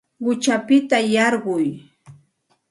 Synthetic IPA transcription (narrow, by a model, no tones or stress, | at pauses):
ɢʊt͡ʃapɪt̪ajɑɾɢʊj